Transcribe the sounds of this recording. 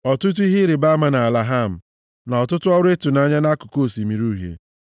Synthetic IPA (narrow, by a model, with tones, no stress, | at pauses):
ɔ˨tʊ˦t̬ʊ˦i˦ɦɪ˦ɾɪ˨ba˦a˦ma˨na˨a˨la˨ɦa˦˨m̩˨ | na˨ɔ˨tʊ˦tʊ˦ɔ˦ɾe˦tʊ˨na˦˨ɲa˦na˦kʊ̥˨ko˦˨si˨mi˨ɾu˦ɦḛ˨